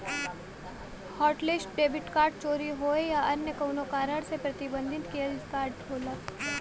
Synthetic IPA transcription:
hɔːʈlɪsʈ̚ɖeːʋɪʈkaːɾʈ̚t͡ʃoːɾiɦoːejaɐɾnjəkɐʊnokaːɾəɽsepɾɐt̪ɪbə̃nd̪ʱɪt̪kied͡ʒɪskaːɾʈoːlək

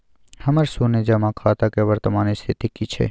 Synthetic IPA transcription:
həməɾsuned͡ʒamãkʰaːt̪akeʋəɾt̪əmaːnist̪ʰit̪ikit͡ʃʰḛ

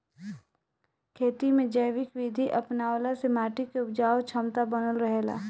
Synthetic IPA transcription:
kʰeːt̪imẽd͡ʒəjʋɪkʋid̪ʱiʔɐpnaːlasemaːʈikeʊp̚d͡ʒaːot͡ʃʰɐmt̪abɐnəlɾəɦela̰ː

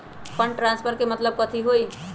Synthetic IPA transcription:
pʰə̃ɳɖʈɾãnspʰəɾkemət̪ləb̚kət̪ʰiɦoi

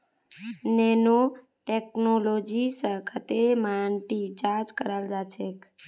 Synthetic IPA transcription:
nɛno | ʈeknolod͡ʒisəkʰət̪emaɳʈit͡ʃaɾd͡ʒkəɾald͡ʒat͡ʃʰek

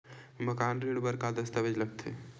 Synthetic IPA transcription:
məkaːnɾiːɽbəɾkad̪əst̪əʋed͡ʒləɡ̚t̪ʰḛ

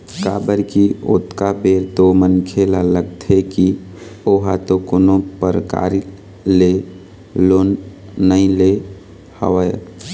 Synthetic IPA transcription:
ka̰bəɾkio̰t̪kabeɾt̪omənkʰelaləɡt̪ʰeki | oɦat̪okonopəɾəka̰ɾi | le | lonː | əĩle | hə̰ʋəj

